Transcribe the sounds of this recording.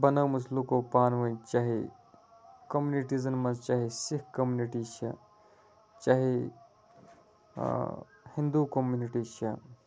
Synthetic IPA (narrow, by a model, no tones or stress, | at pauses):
bɐnɐwmuslukoːpaːnʋɐ̃nt͡ʃaːɦe | kɐmjuniʈizɐnmɐzt͡ʃaːɦesikɐmjuniʈit͡ʃʰɐ | t͡ʃaːɦe | hĩnd̪ukomjuniʈit͡ʃʰɐ̰